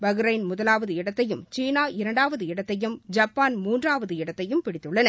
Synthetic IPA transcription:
bɐɣɾɐɪnmʊðɐlaːʋɐðɯɪɽɐt̪ːɐjɯmt͡ʃiːnaːɪɾɐɳɖaːʋɐðɯɪɽɐt̪ːɐjɯmd͡ʒɐpːaːnmuːndraːʋɐðɯɪɽɐt̪ːɐjɯmpɪɽɪt̪ːɯɭːɐnɐ

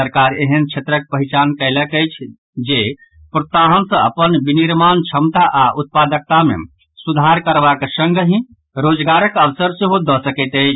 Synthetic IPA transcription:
səɾkaɾeɦənt͡ʃʰet̪ɾək̚pəɦit͡ʃankəɪləkəjt͡ʃʰ | d͡ʒe | pɾosaɦənsə̃əpənbiniɾmant͡ʃʰəmt̪aʔaʔut̪̚pad̪ək̚t̪amḛ | sud̪ʱaɾkəɾbaksə̃ŋɡʱəɦĩ | ɾod͡ʒɡaɾəkəʋsəɾseɦod̪ɔsəkət̪əjt͡ʃʰ

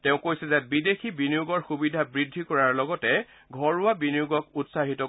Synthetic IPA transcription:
tɛʊ̃kojsɛzɛbidexibinijuɡɔɹxubidʱabɹidʱːikɔɹaɹlɔɡɔtɛ | ɡʱɔɹʊabinijuɡɔkutsaɦitɔ

